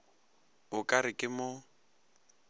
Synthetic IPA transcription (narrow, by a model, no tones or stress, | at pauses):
ʊkʼaɾɪkʼɪmʊ